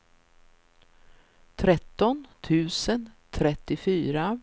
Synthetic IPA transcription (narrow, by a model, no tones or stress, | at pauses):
t̪ʰɾɛt̪ːɔnt̪ʰʉ̟ːsənt̪ʰɾɛt̪ːɪfyːɾa